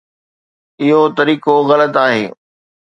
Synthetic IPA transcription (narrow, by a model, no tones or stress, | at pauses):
ɪɦot̪ɐɾiːkoɣɐlət̪aːɦḛː